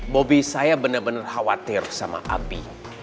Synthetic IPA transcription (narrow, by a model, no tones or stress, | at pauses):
bobisajabənərbənərhawat̪ɪrsama̰ʔa̰bḭ